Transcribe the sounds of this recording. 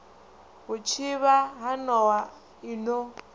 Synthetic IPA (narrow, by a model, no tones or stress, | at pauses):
βʊt͡ʃʰiβaɦanɔwa | inɔ